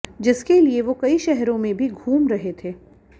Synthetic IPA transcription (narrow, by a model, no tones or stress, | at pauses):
d͡ʒɪskelieʋokɐiʃɛɦɾõmẽbʱiɡʱuːmɾɐɦet̪ʰeː